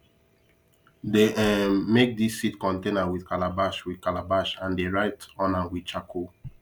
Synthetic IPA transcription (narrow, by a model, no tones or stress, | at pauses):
deɛmek̚disːitkɔ̃ntẽnawiθkalabaʃwikalabaʃãndeɹaɪtɔ̃nãnwit͡ʃakʰo